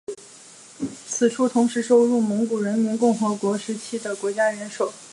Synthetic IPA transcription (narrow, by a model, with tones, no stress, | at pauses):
t͡sʰɹ̩˨˩ʈ͡ʂʰu˥t̪ʰʊ˧˥ŋʂɻ̩˧˥ʂo˥ʊɻu˥˩mə˧˥ŋku˨˩ɻə˧˥nmi˧˥nkʊ˥˩ŋxɤ˧˥kwɔ˧˥ʂɻ̩˧˥t͡ɕʰi˥d̪ə˨kwɔ˧˥t͡ɕja˥ɥɛ˧˥nʂo˨˩˦